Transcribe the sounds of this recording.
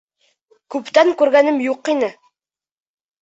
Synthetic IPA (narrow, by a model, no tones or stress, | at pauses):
kʉpt̪æŋkʉɾɡænɘmjuqinɘ